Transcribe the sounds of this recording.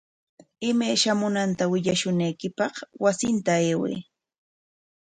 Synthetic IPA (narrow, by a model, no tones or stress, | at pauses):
ɪmajʃamʊnant̪awɪʎaʃʊnajkɪpɑχwasɪnt̪aeːwḛjː